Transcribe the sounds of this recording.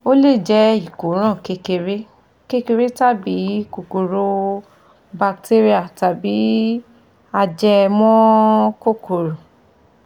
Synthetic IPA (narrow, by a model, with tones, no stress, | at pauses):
o˦le˦˨d͡ʒɛ˦i˦˨ko˨˦ɾ̃ã˦˨ke˧ke˧ɾe˦ | ke˦ke˧ɾe˦ta˦˨bi˨˦ko˨ko˨ɾo˧˦ | ba˧k̚te˦ɾi˦a˦˨ta˨bi˨˦ | a˧d͡ʒɛ˧mɔ̃˦ko˦˨ko˨ɾo˨